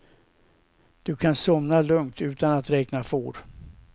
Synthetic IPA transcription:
d̪̥ɵkʰansɔmnalɵŋt̪ʉ̟ːt̪anat̪ɾɛːknafoːɾ

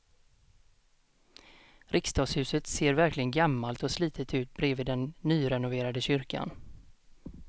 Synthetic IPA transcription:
ɾʔɪkst̪ɑːɡshʉ̟ːsət̪seːɾvæɾklɪɡənɡamːalt̪ɔsliːt̪ʰət̪ʰʉ̟ːt̪̚bɾeːvɪːd̪ɛnːyːɾɛnʊveːɾad̪əɕʏɾkʰa̰n

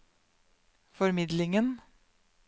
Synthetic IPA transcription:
fɔɾmɪd̪lɪŋən

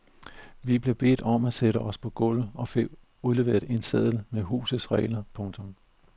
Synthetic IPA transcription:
ʋib̥liɐb̥e̝̰ːd̥ɒ̽mæseɾəʔɒ̽spʰɒ̽ɡ̥ɔlð̩ɒ̽fḛ | uðˠle̝ʋe̝ːɐð̩ˠe̝nsɛð̰ˠl̩meɦṵːsð̩ˠsʁɛ̰ɪlɐpʰɔ̽ŋt͡sʰɔ̽m

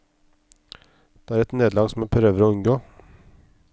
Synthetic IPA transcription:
d̪̥eːæːɾɛt̪neːd̪lɑːɡsɔm̩epʰɾøːʋəɾoːʉŋɡoː

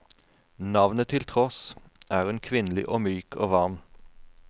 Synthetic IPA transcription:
nɑʋnət̪ʰɪlt̪ʰʁɔsʔæːʁʉnkʰʋɪnlɪ̰ʔoːmyːkʰoːʋɑʁm

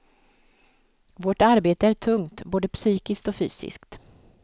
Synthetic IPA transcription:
voʈaɾbeːt̪əæʈʰɵŋt̪boːd̪əpsyːkɪsk̚t̪ɔfy̰ːsɪ̰skt̪

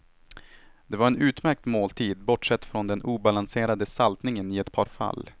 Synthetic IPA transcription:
d̪̥ɛvaɾɛnʉ̟ːt̪mæɾk̚t̪moːlt̪ʰiːd̪bɔʈʂɛt̪ːfɾɔnd̪ɛnʔuːbalanseːɾad̪əsalt̪nɪŋənɪɛt̪pʰɑːɾfa̰lː

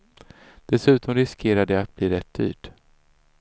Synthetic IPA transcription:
d̪̥ɛsʉ̟ːt̪ʰɔmɾɪskʰeːɾad̪əat̪̚b̥liːɾɛt̪̚ːd̪y̰ːʈ

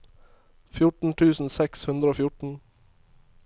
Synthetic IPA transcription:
fjʊʈɳ̩t̪ʰʉːsn̩sɛkshʉnd̪ɾəoːfjʊʈɳ̩

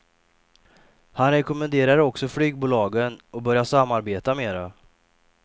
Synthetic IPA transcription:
hanɾɛkɔmənd̪eːɾaɾəɔksɔflyːɡ̚buːlɑːɡənɔbœɾjasamːaɾbeːt̪ameːɾa

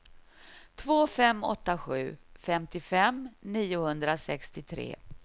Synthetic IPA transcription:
t̪ʰvoːfɛmːɔ̰t̪ːaɧʉ̟ːfɛmt̪ɪfɛmniːʊhɵnd̪ɾasɛkst̪ɪt̪ʰɾḛː

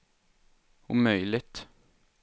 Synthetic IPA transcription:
ʊ̰mœʏlɪt̪

